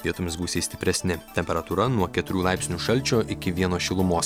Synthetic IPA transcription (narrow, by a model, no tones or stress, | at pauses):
iɛt̪ʊmʲɪsbuːsʲeːsʲt̪ʲɪ̥pʲɾʲɛsʲnʲɪt̪ʲɛmʲpʲɛɾɐt̪uːɾɐnuɔkʲɛt̪ʊɾʲuːlˠɑɪpsʲnʲuːʃɐlʲt͡ʃʲoːʔɪkʲɪʋʲiɛnoːʃʲɪlˠʊmoːs